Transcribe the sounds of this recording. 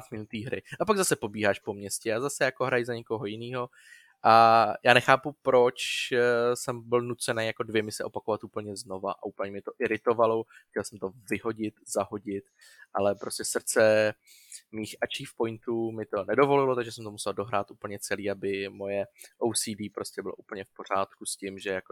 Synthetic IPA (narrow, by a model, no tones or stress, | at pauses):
tmɪnut̪iːɦɾɪ̰ʔapaɡzasɛpo̞biːɦaːʃpo̞mɲɛscɛazasɛjako̞ɦɾajzaɲɛko̞ɦo̞jɪniːɦo̞ | ʔajaːnɛxaːpupɾot͡ʃ | sɛmbɪlnut͡sɛnɛːjjako̞dvjɛmɪsɛʔo̞pako̞vat̪ʔuːpl̩ɲɛzno̞va̰ʔa̰uːpl̩ɲɛmɪt̪o̞ʔɪɾɪt̪o̞valoxcɛlsɛmt̪o̞vɪɦo̞ɟɪt̪z̥aɦo̞ɟɪt̪ | ʔalɛpɾoscɛsr̩t͡sɛ | miːxʔat͡ʃiːfpo̞jnt̪uːmɪt̪o̞nɛdo̞vo̞lɪlot̪aɡʒɛsɛmt̪omusɛldo̞ɦɾaːt̪ʔuːpl̩ɲɛt͡sɛliːabɪmo̞jɛʔowsiːdiːpɾo̞scʲɛbɪlo̞ʔuːpl̩ɲɛfpo̞r̝aːt̪kuscɪmʒɛjako